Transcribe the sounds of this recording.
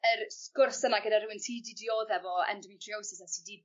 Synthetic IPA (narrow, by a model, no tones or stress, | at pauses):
ərskʊrsənaɡədaɾʊwɪntʰiːdidioːðɛvɔɛ̰ndɔmitʰriɔwsɪsasidi